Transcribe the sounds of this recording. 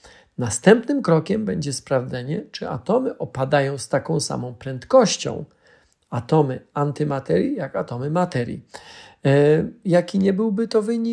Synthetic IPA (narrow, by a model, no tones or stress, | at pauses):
nast̪ɛmpnɘmkɾɔkʲɛmbɛɲd͡ʑɛspɾavd̪zɛɲɛt͡ʂɘʔa̰t̪ɔmɘʔɔpad̪ajɔ̃w̃st̪akɔ̃w̃sa̰mɔ̃w̃pɾɛnt̪kɔɕt͡ɕɔ̰̃w̃ | at̪ɔmɘant̪ɘmat̪ɛɾʲjijakat̪ɔmɘmat̪ɛɾʲjḭ | jakʲiɲɛbɘwbɘt̪ɔvɘɲi